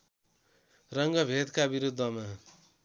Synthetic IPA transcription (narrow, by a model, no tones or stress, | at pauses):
rʌŋɡʌbʱed̪kabiɾud̪ʱːʌma